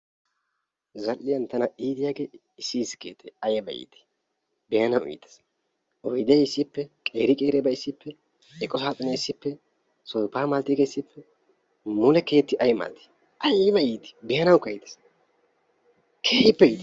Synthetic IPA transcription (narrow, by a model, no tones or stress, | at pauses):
zɐlːɪjɐnt̪ɐnɐiːd̪ɪjaːɡeː | ɪsiːsɪ̥keːt̪ʰːɛɐjbɐ̰jḭːt̪ɪ̥ | bɛjɐnɐwḭd̪ɛ̥s | ɔjd̪ɪjɪsːɪpːɛkʼeːɾɪkʼeːɾɛbɐɪsːɪpːɛ | ɛkʼːɔsaːt̪ʼʊnɛɪsːɪpːɛ | sɔjpːaːmaːlt̪ɪɡeɪsːɪpʰːɛ | mʊlɛke̞ːt̪ːɪʔɐjma̰ːlt̪ɪ̥ | ɐjbɐiːt̪ɪ̥bɛjɐnɐwkɐjd̪ɛ̥s | kʰeːjɪpːɛit̪